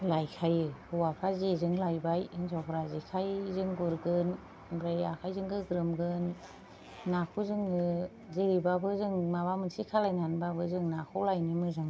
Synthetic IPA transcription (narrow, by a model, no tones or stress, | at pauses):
lajkʰajɯhuwapʰazezɯŋlajbajɯŋzɔkʰɾazikʰajzɯŋɡuɾɡɯn | bɾajakʰajzɯŋɡɯɡɾɯmɡɯnː | akʰuzɯŋɯ | ziɾibabɯzɯŋmabamɯnsikʰalajnanbabɯzɯŋnakʰulajnimɯzɯŋ